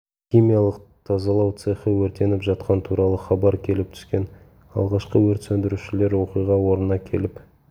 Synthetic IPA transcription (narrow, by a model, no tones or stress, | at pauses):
χʲijmʲijɑlˠəqt̪ʰɑzɑlˠɑwt̪sɨχəwɵɾt̪e̞nɪpʒɑt̪̚qɑnt̪ʰuɾɑlˠəχɑbɑɾkʲʰe̞lɪp̚t̪ʰʏ̥skʲe̞n | ɑ̰lˠʁɑʃqəwɵɾt̪sɵnd̪ɪɾuʃɪle̞ɾwo̞qijʁɑwo̞ɾənɑkʲʰe̞̰lɪp